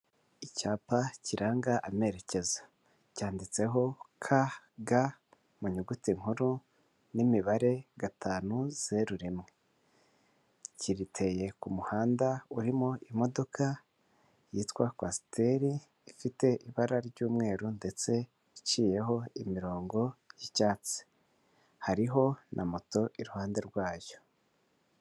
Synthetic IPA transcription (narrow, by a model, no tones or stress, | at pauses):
icaːpaciɾʔaːŋɡaʔame̞ɾe̞ce̞zḁ | caːndit͡se̞ɦo̞kʰa | ɡa | muɲuɡutiŋ̥huɾu | nimiβaɾe̞ɡatʰaːnuz̥e̞ɾuɾimŋe̞ | ciɾitʰe̞je̞kumuhaːndauɾimoʔimo̞do̞ka | jiːtwakwasi̥te̞ɾi | ifite̞ʔiβaɾaɾɟuːmŋe̞ːɾunde̞t͡se̞ | it͡ʃiːje̞ɦo̞imiɾo̞ːŋɡo̞jicaːt͡si̥ | haɾiɦo̞nʔamoto̞ʔiɾuhaːnde̞ɾɡwaːjo̞̥